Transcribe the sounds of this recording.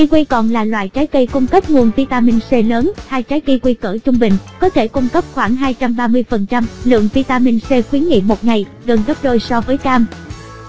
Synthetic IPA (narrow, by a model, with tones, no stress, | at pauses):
i˧kwi˧jkɔ˨˩nlaː˨˩lwa̰ː˧˨jt͡ɕaː˨˦jkə˧jkʊ˧ŋ͡mkə˦˥p̚ŋu˨˩ənvi˧t̪aː˧mi˧nse˧ləː˨˦nhaː˧jt͡ɕaː˨˦jkə˧kwi˧kəː˧˩t͡ɕʊ˧ŋ͡mɓï˨˩ŋ̟kɔ˨˦t̪ʰe˧˩kʊ˧ŋ͡mkə˦˥p̚xwaː˧˩ŋɦaː˧jt͡ɕa˧mɓaː˧mɨ˧əjfə˨˩nt͡ɕa˧mlɨ̰˧˨əŋvi˧t̪aː˧mi˧nse˧xwi˨˦nŋḭ˧˨mo˨˩t̚ŋa˨˩j | ɣə˨˩nɣə˦˥p̚ɗo˧jsɔ˧vəː˨˦jkaː˧m